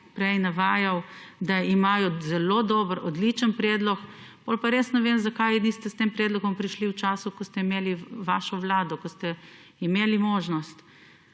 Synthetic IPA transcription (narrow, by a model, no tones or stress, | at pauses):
pɾɛjnaʋaːjawd̪aimaːjɔzɛloːd̪oːbəɾɔd̪lit͡ʃənpɾɛːd̪lɔk | polpaɾeːsnɛʋemzakajnist̪ɛst̪eːmpɾɛːd̪lɔɡɔmpɾiʃliwt͡ʃaːsukɔst̪ɛimeːliʋaːʃɔʋlaːd̪ɔkɔst̪ɛ | imeːlimoːʒnɔst̪